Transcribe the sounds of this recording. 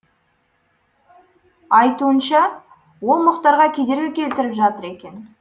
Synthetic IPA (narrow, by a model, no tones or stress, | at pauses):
ɑjt̪uənʃɑ | wo̞lˠmʊqt̪ɑɾʁɑkʲʰe̞d̪e̞ɾɡʲekʲʰe̞lt̪ɪɾɪpʒɑt̪əɾe̞kʲe̞n